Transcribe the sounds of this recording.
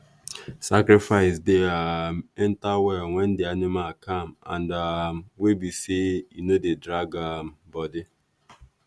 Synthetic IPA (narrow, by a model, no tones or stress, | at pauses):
sakɾɪfaɪsdeamɛntawɛŋʷɛndeanɪmalkamã̰ndamwebisejinodedɾaɡam̩bɔdɪ